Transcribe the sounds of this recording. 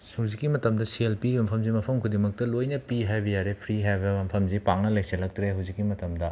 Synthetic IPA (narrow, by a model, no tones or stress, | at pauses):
awzikːimɐtɐmdɐsielpiɾibɐmpʰɐmzimɐpʰɐmkʰudimɐk̚tɐlojnɐpiɦajbɐjaɾepʰɾiɦajbɐɐmpʰɐmzipaŋnɐlɐjkselɐk̚tɾeɦawzikːimɐtɐmdɐ